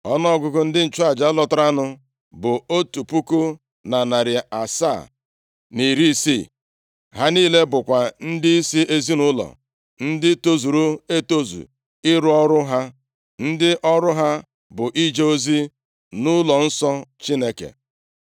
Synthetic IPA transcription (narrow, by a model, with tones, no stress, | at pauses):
ɔ˦nɔ˦ɔ˦˨ɡʷʊ˨ɡʊ˦n̩˦dɪ˦n̩˨t͡ʃʊ˦a˨d͡ʒa˨˦lɔ˦tʊ˦ɾa˦nʊ˦ | bʊ˨o˦tu˨pu˦kʊ˦ | na˨na˨ɾɪ˨a˨sa̰˦˨ | ni˨ɾi˦sḭ˦˨ | ɦa˦niː˦le˦bʊ˨kʷa˨n̩˦dɪ˦i˦si˦ʔe˦zi˦nʊ˦lɔ̰˨ | n̩˦dɪ˦to˦zu˨ɾu˦e˦to˦zṵ˨ | ɪ˦ɾʊ˦ɔ˦ɾʊ˦ɦa˦ | n̩˦dɪ˦ʔɔ˦ɾʊ˦ɦa˦ | bʊ˨ʔi˦d͡ʒe˦o˦zi˦ | nʊ˦lɔ˨n̩˦sɔ˦t͡ʃi˦ne˦kḛ˨